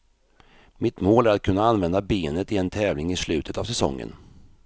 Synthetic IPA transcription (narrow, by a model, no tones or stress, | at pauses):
mɪt̪moːlæɾat̪̚kʰɵnːaanvɛnd̪abeːnət̪ɪɛnt̪ʰɛːvlɪŋɪslʉ̟ːt̪ʰət̪avsɛsɔ̰ŋːə̰n